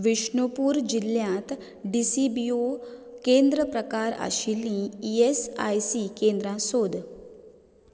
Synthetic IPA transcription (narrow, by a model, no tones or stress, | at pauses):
ʋiʂɳopuːɾd͡ʑiljãt̪ | ɖisibiokend̪ɾəpɾəkaɾa̰ɕilĩːesa̰jsikend̪ɾãsod̪ʱ